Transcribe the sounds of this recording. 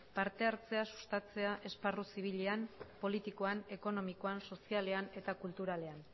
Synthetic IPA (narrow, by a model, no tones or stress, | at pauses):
paɾt̪e̞aɾt͡se̞asu̥st̪at͡se̞aʔe̞sparusiβ̞iʎeampo̞lit̪iko̞ane̞ko̞no̞miko̞anso̞siale̞ane̞t̪akult̪uɾale̞an